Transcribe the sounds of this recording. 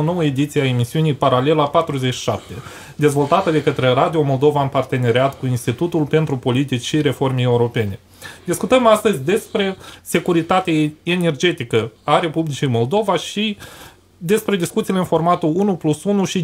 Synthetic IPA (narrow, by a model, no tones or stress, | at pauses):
ono̞wəe̞d̪it̪sieae̞misiunijpaɾale̞lapat̪ɾuze̞t͡ʃʃi̥ʃa̰p̚t̪e̞ | d̪e̞zvo̞lt̪at̪əd̪e̞kət̪ɾe̞rad̪io̞mo̞ld̪o̞vaɨnpart̪e̞ne̞ɾeat̪kuinst̪it̪ut̪ulpe̞nt̪ɾupo̞lit̪it͡ʃʲʃiɾe̞fo̞rmeje̞uɾo̞pe̞ne̞ | d̪iskut̪əmast̪əzʲd̪e̞spɾe̞se̞kuɾit̪at̪eaene̞rd͡ʒe̞t̪ikəaɾe̞publit͡ʃijmo̞ld̪o̞vaʃi | d̪e̞spɾe̞d̪iskut̪sileɨnfo̞rmat̪uunuplusunuʃi